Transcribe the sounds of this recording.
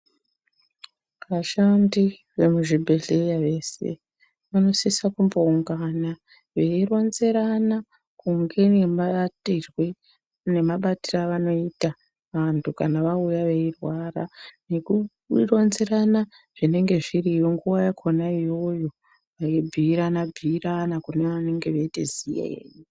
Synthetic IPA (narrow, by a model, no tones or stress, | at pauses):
ʋaʃandi | ʋe̞muʐibʱe̞ɮejaʋe̞ːsḛ | ʋano̞sisakumbo̞uŋɡana | ʋe̞ironze̞ɾana | kuŋɡe̞nemaatirwe | ne̞maɓatiraʋano̞ita | ʋantʰukanaʋaujaʋe̞irwara̰neku | ronze̞ɾana | ʐ̥ine̞ŋɡe̞ʐirijoŋɡuwajakʰonaijo̞jo̞ | ʋaibʱiːɾanabʱiːranakuneane̞ŋɡe̞ʋeitḛzija̰ḛːni